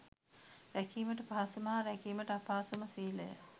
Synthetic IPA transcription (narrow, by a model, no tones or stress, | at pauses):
ɾækiːməʈəpaːsumaːɾækiːməʈəapaːsumasiːlə̰jə̰